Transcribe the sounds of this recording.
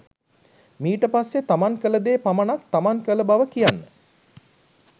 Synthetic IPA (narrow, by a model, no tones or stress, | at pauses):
miːʈəpasːet̪amaŋkələd̪eːpamənak̚t̪amaŋkələbaʋəkijanːə